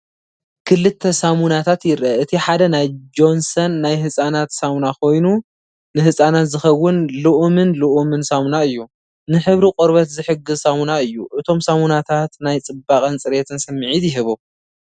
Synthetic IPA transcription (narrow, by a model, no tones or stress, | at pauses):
kʰɨlɨt̪ʰːɐsamunat̪ʰat̪jɪɾʔɐɨt̪ʰiħad̪ɐnajd͡ʒo̞nsɐnːajɦɨsʼanat̪samunakʰo̞jnu | nɨhɨsʼanat̪zɨxɐwːʊnlɨʔumɨnlɨʔumɨnsamunaɨjːu | nɨħɨβɾikʼoɾβɐt̪zɨħɨɡɨzsamunaɨjːuʔɨt̪ʰo̞msamunat̪ʰat̪najt͡sʼɨbakʼɐnt͡sʼɨɾet̪ʰɨnsɨmːɨʕit̪jɪɦɨβu